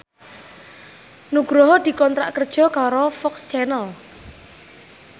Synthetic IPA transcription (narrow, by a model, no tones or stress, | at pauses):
nuɡ̥ɾɔɦɔd̪̥i̤kɔnt̪ɾa̰ʔkərd̥ʒ̥ɔ̤kaɾɔfɔkst͡ʃɛnəl